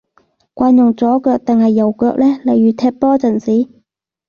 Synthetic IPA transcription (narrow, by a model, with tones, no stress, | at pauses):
kʷaː˧njʊ˨˩ŋt͡sɔː˨˥kœː˧k̚t̪ɪ˨ŋhɐ˨jːɐ˨˩wkœː˧k̚lɛː˥lɐ˨˧jɥyː˨˥t̪ʰɛː˧˥t̚pɔː˥t͡sɐ˨˩nsiː˨˥